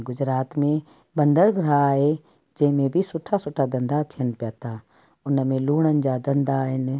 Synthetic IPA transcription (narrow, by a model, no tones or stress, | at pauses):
ɡʊd͡ʑɾaːt̪mẽ | ɓɐ̃nd̪əɾɡʱɾaaːɦe | d͡ʑɐ̃ɦɪ̃mẽbʱɪsʊʈʰasʊʈʰad̪ɐ̃nd̪at̪ʰijənɪ̆pijaːt̪ʰaː | ʊnəmẽluːɽ̃ənɪ̆d͡ʑad̪ɐ̃nd̪aːɦɪnɪ̆